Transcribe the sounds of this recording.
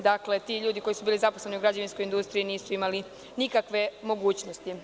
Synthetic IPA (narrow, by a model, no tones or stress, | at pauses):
d̪akle̞t̪iːʎuːd̪iko̞jisubiːlizapo̞sle̞niuɡɾad͡ʑaʋinskojind̪ust̪ɾiiniːsuimali | nikakʋe̞mo̞ɡuːt͡ɕnost̪i